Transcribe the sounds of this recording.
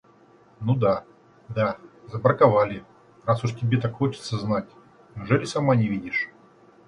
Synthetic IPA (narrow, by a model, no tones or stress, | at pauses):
nud̪a | d̪azəbɾəkavalʲɪ | rasʊʂtʲɪbʲet̪akxo̞t͡ɕɪ̥t̪səznatʲ | nʲuʐɛlʲɪsamanʲɪvʲidʲɪʂ